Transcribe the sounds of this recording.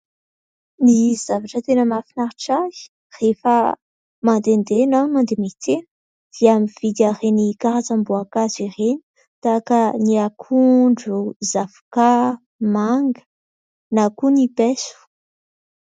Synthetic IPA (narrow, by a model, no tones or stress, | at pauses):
niz̥avaʈ͡ʂət̪enəmafinaɾiʈ͡ʂai̥ | refə | mand̪end̪enamand̪emit̪enə̥ | d̪̥iamiv̥id̪arenikaɾat͡sambuakazireni̥ | t̪akəniakʰuɳɖ͡ʐuzafu̥ka | maŋɡə̥ | nakunipɛsu̥